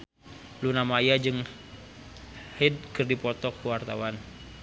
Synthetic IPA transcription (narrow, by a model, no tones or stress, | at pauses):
lunamajad͡ʒɨŋ | hɛd̚kərdipɔt̪ɔkːuwart̪awan